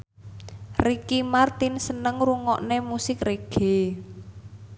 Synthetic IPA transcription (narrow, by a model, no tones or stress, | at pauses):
rikimart̪insənəŋruŋɔʔnemusɪkreɡ̥e